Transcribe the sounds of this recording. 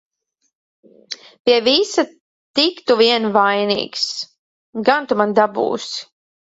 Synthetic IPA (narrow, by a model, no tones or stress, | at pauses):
pʲiɛvisa | t̪ikt̪uviɛnvajnḭːks | ɡant̪umand̪abṵːsi̥